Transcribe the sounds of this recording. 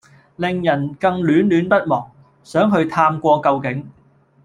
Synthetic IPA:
lɪ˨ŋjɐ˨˩nkɐ˧ŋlyː˨˥nlyː˨˥npɐ˥t̚mɔː˨˩ŋ | sœː˨˥ŋɦɵ˧ɥt̪ʰaː˧mkʷɔː˧kɐ˧wkɪ˨˥ŋ

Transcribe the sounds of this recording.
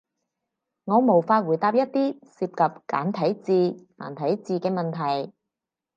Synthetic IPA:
ŋɔː˨˧mo˨˩wfaː˧t̚wuː˨˩jt̪aː˧p̚jɐ˥t̚t̪iː˥siː˧p̚kɐ˨p̚ka̰ː˨˥nt̪ʰɐ˨˥jt͡siː˧na̰ː˨˩nt̪ʰɐ˨˥jt͡siː˧kɛː˧mɐ˨nt̪ʰɐ˨˩j

